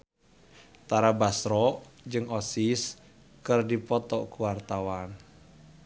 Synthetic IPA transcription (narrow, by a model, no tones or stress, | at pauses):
t̪aɾabasɾɔd͡ʒɨŋɔsis | kɨrdipɔt̪ɔkuwart̪awan